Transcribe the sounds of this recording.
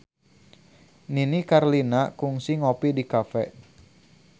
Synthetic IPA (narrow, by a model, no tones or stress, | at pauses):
ninikarlinakuŋsiŋopidikafɛ̰ʔ